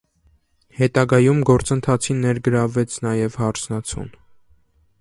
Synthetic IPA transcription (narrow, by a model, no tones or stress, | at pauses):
hɛt̪ɑɡɑjumɡɔɾt͡sənt̪ʰɑt͡sʰinːɛɾɡəɾɑvɛt͡sʰnɑjɛvhɑɾt͡sʰnɑt͡sʰṵn